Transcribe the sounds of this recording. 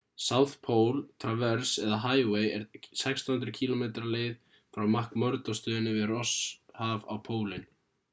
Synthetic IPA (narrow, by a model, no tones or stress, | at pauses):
saːwθpʰoːwlt̪ʰɾavɛɾ̥sɛðaɦaːjweːjɛɾsɛkst̪ahʏnt̪ɾʏcʰiːlɔmejt̪ɾaleːjð | fɾawmahkmœɾt̪ɔst̪ʏːðɪnːɪvɪðrɔshava̰wpʰoːwlɪn